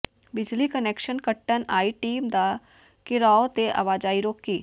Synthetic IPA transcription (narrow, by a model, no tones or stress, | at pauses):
bɪd͡ʒlikəneːkʃənkəʈːənaːiʈiːmd̪aː | kɪɾaːot̪eʔa̰ːʋaːd͡ʒaːiɾoːkːiː